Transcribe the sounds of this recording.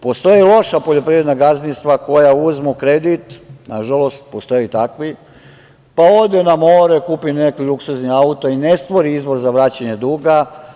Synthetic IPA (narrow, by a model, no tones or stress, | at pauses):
po̞st̪o̞jilˠo̞ʃapo̞ʎo̞pɾiɾenaɡaznist̪ʋako̞jauzmukɾe̞d̪it̪naʒalo̞st̪̚po̞st̪o̞jit̪akʋi | pao̞ʋd̪enamoɾekuːpinekluksuzniaut̪oine̞st̪ʋo̞ɾiizbo̞ɾzaʋɾaːt͡ɕaɲed̪uːɡa